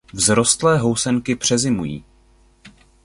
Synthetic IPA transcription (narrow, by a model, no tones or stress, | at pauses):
vzɾo̞st̪lɛːɦo̞wsɛŋkɪpr̝̥ɛzɪmujḭː